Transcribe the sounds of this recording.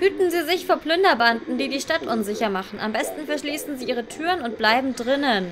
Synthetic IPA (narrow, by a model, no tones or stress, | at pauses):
hyːtn̩ziːzɪçfoːɐpl̥ʏndɐbandn̩diːdiːʃtatʔʊnzɪçɐmaχn̩ʔa̰mbɛstn̩fɛɐʃliːsn̩ziːʔiːʁ̞ətʰyːʁənʊntb̥laɪbm̩dʁɪnən